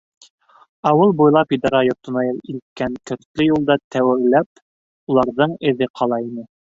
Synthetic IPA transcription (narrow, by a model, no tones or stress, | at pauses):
ɑwɤlˠbujlˠɑpid̪ɑɾɑjŏɾt̪ŏnɑjɤlˠilt̪̚kæŋkɵ̆ɾt̪lɵjulˠd̪ɑt̪ʰæwɘ̆ɾlæp | ulˠɑɾðɤɴɘ̆ðɘqʰɑlˠɑinɘ